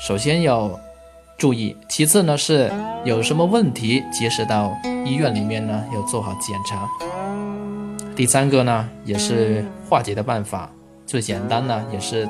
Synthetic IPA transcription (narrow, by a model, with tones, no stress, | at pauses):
ʂo˨˩ʊɕ̬jɛ˥njɑ˥˧ʊ | ʈ͡ʂu˥˧i˥˩t͡ɕʰi˧˥t͡sʰɹ̩˥˩nə˩ʂɻ̩˥˩jo˨˩ʊʂə˧˥nmə˧wə˥˩nt̪ʰi˧˥t͡ɕi˧˥ʂɻ̩˧˥t̪ɑ˥˧ʊi˥ɥɛ˥˩nli˨˩mjɛ˥˩nnə˩jɑ˥˧ʊt͡swɔ˥˩xɑ˨˧˥ʊt͡ɕjɛ˨˩nʈ͡ʂʰa˧˥ | t̪i˥˩sa˥nɡə˥˧nə˩jɛ˨˩ʂɻ̩˥˧xwa˥˩t͡ɕjɛ˧˥d̪ə˧pa˥˩nfa̰˨˩˦ | t͡swe˥˩ɪt͡ɕjɛ˨˩nt̪a˥nnə˨jɛ˨˩ʂɻ̩˥˧